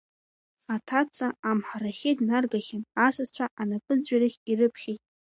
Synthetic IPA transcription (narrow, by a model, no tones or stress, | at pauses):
atʰat͡sʰʼaamħaɾaχʲednarɡaχʲɪnasazt͡ɕʷʰaʔanapʼɨd͡zɥaɾaχʲirɨpʰχʲejtʼ